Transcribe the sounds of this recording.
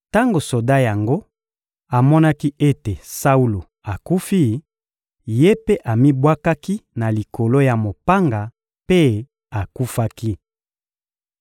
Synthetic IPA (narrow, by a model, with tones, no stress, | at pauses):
ta˦ŋɡo˨so˨da˦ja˨ŋɡo˦ | a˨mɔ˦na˦ki˦ʔe˦te˨sa˦u˦lo˨ | a˨ku˦fi˦ | je˦pe˦ʔa˨mi˦bwa˦ka˦ki˦na˨li˨kʰo˨lo˦ja˨mo˨pa˦ŋɡa˨ | pe˦ | a˨ku˦fa˦ki˦